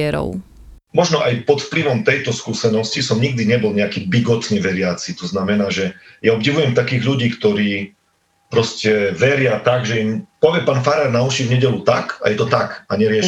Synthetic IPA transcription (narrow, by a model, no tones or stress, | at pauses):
ɛɾɔ̰ʊ | mɔʒnɔʔajpɔt̪fpliʋɔmt̪ɛjt̪ɔskuːsɛnɔscisɔmɲiɡ̚d̪iɲɛbɔlɲɛakiːbiɡɔt̪ɲɛʋɛɾɪat͡sit̪ɔznamɛnaːʒɛjaɔbɟiʋujɛmt̪akiːɣʎuɟiːkt̪ɔɾiː | pɾɔscɛʋɛɾɪat̪aɡʒɛimpɔʋɪɛpaːnfaɾaɾnauʃivɲɛɟɛʎut̪aka̰jɛt̪ɔt̪akaɲɛɾɪɛʃ